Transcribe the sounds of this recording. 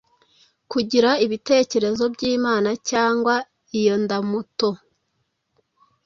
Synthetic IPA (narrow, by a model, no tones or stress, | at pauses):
kuɟiɾaiβite̞ːce̞ɾe̞zo̞bɟiːmaːnacaːŋɡwa | ijondamuto̞